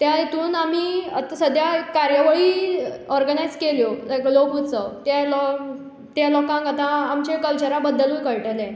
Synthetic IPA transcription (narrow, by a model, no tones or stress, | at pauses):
t̪jajet̪uːnamiːat̪asəd̪ʱjakaɾjəʋəɭiːɔɾɡənajd͡zkeljoaklokut͡sət̪jalɔ | t̪jalɔkãŋkat̪ãːmt͡ɕekəlt͡ɕəɾabəd̪ːəluːjkəɭʈelẽ